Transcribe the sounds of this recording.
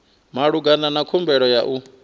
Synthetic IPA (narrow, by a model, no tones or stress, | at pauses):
maɺuɡananakʰumbɛɺɔjaʔu